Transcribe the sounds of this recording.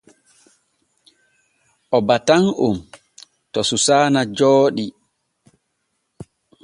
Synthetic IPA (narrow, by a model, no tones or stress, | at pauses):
ʔɔbataŋʔṵm | tɔsusaːnad͡ʒɔːɗi